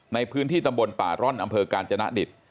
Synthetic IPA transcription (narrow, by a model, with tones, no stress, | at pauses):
na˧jpʰɯː˦˥nt̪ʰiː˥˩t̪a˧mbo˧npa̰ː˨˩ɾɔ˥˩nʔa˧mpʰɤː˧kaː˧nt͡ɕʰa˧na̰˦˥ʔdi˨˩t̪̚